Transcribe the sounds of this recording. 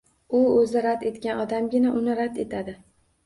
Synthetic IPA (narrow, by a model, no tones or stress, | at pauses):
ʊɵzɪɾad̪e̞t̪kʲanɒd̪amɡʲɪnaʔʊnɪɾad̪e̞t̪ʰad̪ɪ